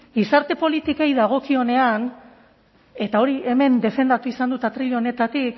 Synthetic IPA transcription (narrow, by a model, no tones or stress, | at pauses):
ɡisaɾt̪e̞po̞lit̪ike̞jðaɣ̞o̞kio̞ne̞an | e̞t̪ao̞ɾie̞me̞nd̪e̞fe̞nd̪at̪uisand̪ut̪at̪ɾiʎo̞ne̞t̪at̪ik